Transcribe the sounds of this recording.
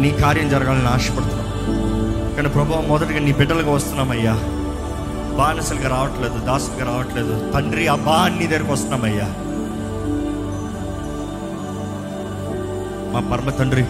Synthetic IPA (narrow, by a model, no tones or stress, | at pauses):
niːkaːɾjɐmd͡ʒɐɾɐɡaːlɐnːaːʂɐ̥pɐɽut̪unːaːm | kɐɳpɾɐbʱɐʋɐmːɔd̪ɐʈːɡɐːniːbɪɖːɐlkɐʋɐst̪unaːmɐjːaː | baːnɐsɐlkɐɾaːʋɐʈːleːd̪ud̪aːsɐlkɐɾaːʋɐʈːleːd̪ut̪ɐɳɖɾiɐbaːɐnːid̪eːɾkʋɐst̪ɐnaːmɐjːaː | maːbɐɾmɐt̪ɐɳɖɾi